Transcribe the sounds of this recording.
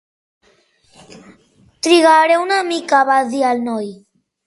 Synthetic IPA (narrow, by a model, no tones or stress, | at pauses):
t̪ɾiɣaɾeunamikaβaðialnoj